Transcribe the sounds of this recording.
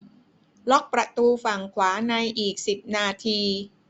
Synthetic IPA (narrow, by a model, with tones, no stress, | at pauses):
lɔ˦˥k̚pɾa˧t̪uː˧fa˨˩ŋkʰwaː˩˦na˧jʔiː˨˩k̚si˨˩p̚naː˧t̪ʰiː˧